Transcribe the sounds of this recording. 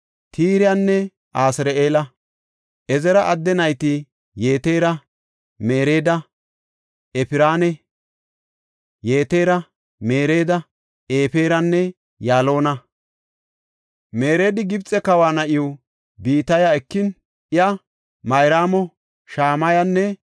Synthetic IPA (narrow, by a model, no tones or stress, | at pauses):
t̪iːɾɪjɐnːɛ | ʔaːsɪɾeʔeːlɐ | ʔɛzɛɾɐʔɐd̪ːɛnɐjt̪ɪ | je̞ːt̪e̞ːɾɐ | me̞ːɾe̞ːd̪ɐ | ɛpɪɾaːnɛ | jeːt̪e̞ːɾɐ | me̞ːɾe̞ːd̪ɐ | eːpeːɾɐnːɛ | jaːlo̞ːnɐ | me̞ːɾeːd̪ɪɡɪbt͡sʼɛkɐwaːnɐʔɪjʊ | biːt̪ɐjaɛkːɪn | ʔɪjɐ | mɐjɾaːmɔ | ʃaːmɐjɐnːɛ